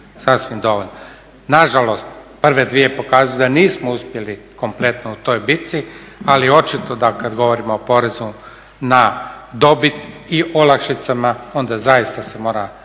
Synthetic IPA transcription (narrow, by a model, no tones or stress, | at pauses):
sasʋimd̪o̞ʋoʎno | naʒalo̞st̪pr̩ʋe̞d̪ʋiepo̞kaːzujud̪aniːsmouspje̞liko̞mple̞t̪nout̪o̞jbit̪si | alio̞t͡ʃit̪od̪akad̪ɡo̞ʋo̞ɾimoopo̞ɾezu | nad̪o̞bit̪iʔolakʃit̪samao̞nd̪azajist̪ase̞mo̞ːɾa